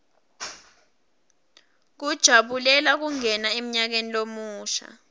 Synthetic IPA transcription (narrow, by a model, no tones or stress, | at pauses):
k̬ud̥ʒ̥ʱaɓulɛlak̬uŋɛnaem̩ɲak̬enilomuːʃa̰